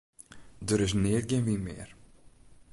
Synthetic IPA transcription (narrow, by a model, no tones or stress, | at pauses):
dəɾɪs̬nɪət̚ɡenʋinmɪ̰ər